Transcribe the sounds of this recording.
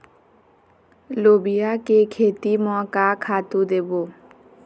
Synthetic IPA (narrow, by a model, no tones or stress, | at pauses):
lobijakekʰet̪imɔkakʰat̪ud̪ebo